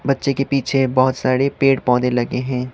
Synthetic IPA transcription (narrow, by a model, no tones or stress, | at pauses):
bɐtːʃekepiːt͡ʃʰebɔɦʊt̪saːɾepeːʈpɔ̃ːd̪elɐɡeɦɛ̃ː